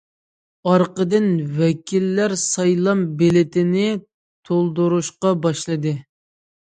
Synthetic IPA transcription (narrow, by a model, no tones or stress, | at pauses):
ɑɾqəd̪ɨnwɛkʲʰilːæɾsɑjlˠɑmbelɪt̪ʰɪnɪ | t̪ʰolˠd̪uɾuʃqɑbɑʃlˠɨd̪ɨ